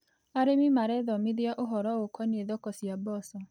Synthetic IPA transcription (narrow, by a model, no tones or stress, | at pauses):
aɾemimaɾɛðɔmiðiaʔoɦɔɾɔokʰɔneðɔkɔsjabɔsɔ